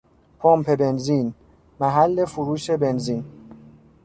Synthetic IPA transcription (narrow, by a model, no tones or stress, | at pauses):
pʰompʰebe̞nzin | mæɦælːe̞fuɾuːʃebe̞nziːn